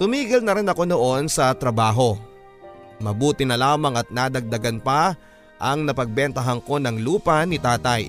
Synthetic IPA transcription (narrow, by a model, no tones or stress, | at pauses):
t̪ʊmiːɡɪlnɐɾɪnɐko̞no̞ʔo̞nsɐt̪ɾɐbaːɦo̞ | mɐbuːt̪ɪnɐlaːmɐŋɐt̪̚nad̪ɐɡ̚d̪ɐɡɐnpɐ | ʔɐŋnɐpɐɡ̚bɛnt̪ɐɦɐŋko̞nɐŋluːpɐnɪt̪aːt̪ɐj